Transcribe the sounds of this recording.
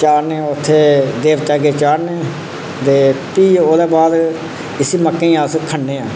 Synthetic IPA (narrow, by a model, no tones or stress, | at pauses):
t͡ʃaːɾnẽːʊt̪ʰːeːd̪eːʋt̪aːɡeːt͡ʃaːɾneː | d̪eːpiːoːd̪eːbaːd̪ | ɪsiːməkːẽːãːskʰəɳːeːãː